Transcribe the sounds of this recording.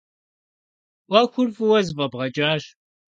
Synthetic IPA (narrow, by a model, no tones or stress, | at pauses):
ʔʷɐxʷʊrfɨwɐzbɐbʁɐt͡ʃʼaːɕ